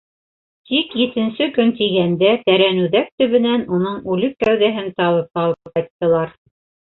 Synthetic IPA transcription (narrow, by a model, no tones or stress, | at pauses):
t̪ikjɘ̆t̪ɘ̆nsɘkɵnt̪iɡænd̪æt̪æɾænʉðæk̚t̪ɵ̆βɘ̆nænunɤɴʉlɘkːæwðæɦɘnt̪ɑlˠɤp̚qɑlˠɤqɑjt̪ːɤ̆lˠɑɾ